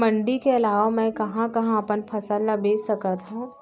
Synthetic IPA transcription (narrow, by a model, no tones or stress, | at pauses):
mɐ̃ɳɖikeɐlaːʋamɛ̃kɐɦãkɐɦãɐpənpʰɐsəlːabeːsɐkat̪ɦũ